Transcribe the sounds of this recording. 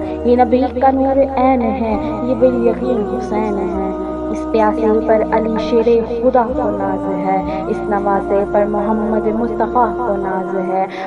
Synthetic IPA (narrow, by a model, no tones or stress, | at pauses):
jenɐbiːkanoːɾeɛːnɦɛ̃ | jeːbelijɐkiːnɦʊsɛːnɦɛ̃ː | ɪst̪ɪjaːsepɐɾɐliːʃeːɾeːxʊd̪aːkonaːz | ɦɛː | ɪsnɐmaːzepɐɾmʊɦəmːəd̪mʊst̪ɐfaːkonaːzɦɛː